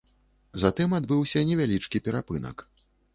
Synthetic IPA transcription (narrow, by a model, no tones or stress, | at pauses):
zat̪ɨmad̪bɨwsʲɐnʲɛvʲalʲit͡ʂkʲipʲɛɾapɨnɐ̰k